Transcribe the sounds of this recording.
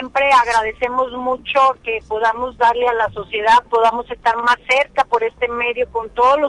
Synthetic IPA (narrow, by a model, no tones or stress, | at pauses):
empɾe̞aɣɾað̞e̞se̞mo̞zmut͡ʃoke̞po̞ðamo̞zd̪aɾlealaso̞sje̞ðaðpo̞ðamo̞se̞st̪aɾmasːe̞ɾkapo̞ɾe̞st̪e̞me̞ðjo̞ko̞nt̪o̞ðolo